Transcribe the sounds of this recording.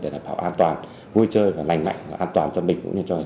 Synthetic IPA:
ɗe˨˧˩ɗaː˨˩p̚ɓaː˧˩wʔaː˧nt̪waː˨˩n | vu˧jt͡ɕəː˧jvaː˨˩la˨˩jŋ̟ma̰˧˨ŋ̟vaː˨˩ʔaː˧nt̪waː˨˩nt͡ɕɔ˧nɓï˨˩ŋ̟kʊ̰˧˥ŋ͡mɲɨ˧˩t͡ɕɔ˧a˨˩

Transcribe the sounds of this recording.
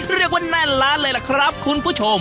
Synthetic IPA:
ɾi˥˩ək̚waː˧˥˩na˥˩nlaː˦˥nlɤː˧jla˧˩kʰɾa˦˥p̚kʰu˧npʰuː˥˩t͡ɕʰo˧m

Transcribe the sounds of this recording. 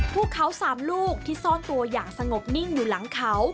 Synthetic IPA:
pʰuː˥˩kʰːa˦˥wsaː˩˦mluː˥˩k̚t̪ʰiː˥˩sɔː˥˩nt̪u˧ɐjaː˨˩k̚sa˧ŋo˨˩p̚ni˥˩ŋjuː˨˩la˨˩˦ŋkʰa˦˥w

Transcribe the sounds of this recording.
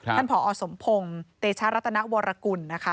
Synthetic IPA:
a˥npʰɔː˩˦ʔɔː˨˧so˩˦mpʰo˧ŋt̪eː˧t͡ɕʰaː˦˥ɾa˦˥t̪ʰːa˧na˦˥ʔwɔː˧ɾʔa˧ku˧nːa˦˥kʰa˦˥

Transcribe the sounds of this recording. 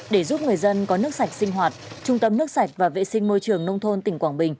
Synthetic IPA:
ɗe˧˩zu˦˥p̚ŋɨ˨˩əjzə˧nkɔ˨˦nɨ˦˥ək̚sa˨˩jk̟̚sï˧ŋ̟ɦwaː˨˩t̚ | t͡ɕʊ˧ŋ͡mt̪ə˧mnɨ˦˥ək̚sa˨˩jk̚vaː˨˩vḛ˧˨sï˧ŋ̟mo˧jt͡ɕɨ˨˩əŋnə˧wŋ͡mt̪ʰo˧nt̪ï˧˩ŋ̟kwaː˧˩nɓï˨˩ŋ̟

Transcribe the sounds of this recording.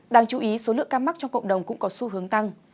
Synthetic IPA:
ɗaː˧˩ŋt͡ɕu˨˩˦ʔi˨˦so˨˦lɨ̰˧˨əŋkaː˧ma˦˥k̚t͡ɕɔ˧ŋ͡mkə̰˧˨wŋ͡mɗə˨˩wŋ͡mkʊ̰˧˥ŋ͡mkɔ˨˦su˧ɦɨ˨˦əŋt̪a˧ŋ

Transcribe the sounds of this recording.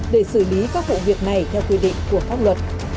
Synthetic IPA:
ɗe˧˩sɨ˧˩li˨˦kaː˦˥k̚vṵ˧˨vi˨˩ək̚na˨˩jt̪ʰɛ˧wkwi˧ɗḭ˧˨ŋ̟ku˧˩əfaː˦˥p̚lwə˨˩t̚

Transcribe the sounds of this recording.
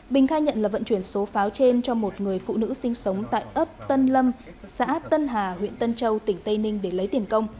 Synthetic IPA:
ɓï˨˩ŋ̟xaː˧jɲə̰˧˨nlaː˨˩və̰˧˨nt͡ɕwi˧˩ənso˨˦faː˨˦wt͡ɕe˧nt͡ɕɔ˧mo˨˩t̚ŋɨ˨˩əjfṵ˧˨nɨ̰˧˥sï˧ŋ̟sə˨˦wŋ͡mt̪a̰ː˧˨jʔə˦˥p̚t̪ə˧nlə˧m | sa̰ː˧˥t̪ə˧nɦaː˨˩hwḭ˧˨ənt̪ə˧nt͡ɕə˧wt̪ï˧˩ŋ̟t̪ə˧jnï˧ŋ̟ɗe˧˩lə˨˦jt̪i˧˩ənkə˧wŋ͡m

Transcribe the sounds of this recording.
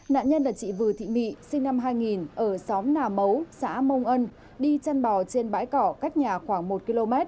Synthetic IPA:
na̰ː˧˨nɲə˧nlaː˨˩t͡ɕḭ˧˨vɨ˨˩t̪ʰḭ˧˨mḭ˧˨sï˧ŋ̟na˧mɦaː˧jŋi˨˩nʔəː˧˩sɔ˨˦mnaː˨˩mə˨˦wsa̰ː˧˥mə˧wŋ͡mʔə˧n | ɗi˧t͡ɕa˧nɓɔ˨˩t͡ɕe˧nɓa̰ː˧˥jkɔ˧˩kaː˦˥jk̚ɲaː˨˩xwaː˧˩ŋmo˨˩t̚ki˧lo˧mɛ˦˥t̚

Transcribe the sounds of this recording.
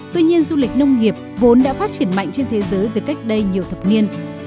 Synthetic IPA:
t̪wi˧ɲi˧ənzu˧lï˨˩k̚nə˧wŋ͡mŋi˨˩əp̚vo˨˦nɗa̰ː˧˥faː˦˥t̚t͡ɕi˧˩ənma̰˧˨ŋ̟t͡ɕe˧nt̪ʰe˨˦zəː˨˦jt̪ɨ˨˩ka˦˥jk̚ɗə˧jɲi˨˩əwt̪ʰə˨˩p̚ni˧ən

